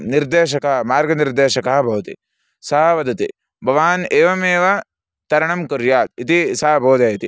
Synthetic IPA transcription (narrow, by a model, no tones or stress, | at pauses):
niɾd̪eːʃ̬ɐkɐɦɐmaːɾɡɐniɾd̪eːʃɐkɐɦɐbʱɐʋɐt̪ḭ | sɐɦɐʋɐd̪ɐt̪i | bʱɐʋaːneːʋɐmeːʋɐ | t̪ɐɾɐɳɐmkʊɾjaːt̪̚it̪isɐɦɐbʱoːd̪ɐjɐt̪i